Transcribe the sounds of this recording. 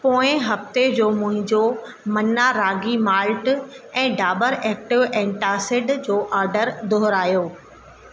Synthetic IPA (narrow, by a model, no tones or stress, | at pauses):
poːɪ̃ɦɐft̪ed͡ʑoːmʊ̃ɦɪ̃ɲd͡ʑo | mɐnaɾaːɡimaːlʈɛ̃ːɖaːbəɾɛːk̚ʈɪʋɛ̃ːʈaːsɪɖd͡ʑoːʔaːɾɖəɾd̪oɦʊɾaːjoː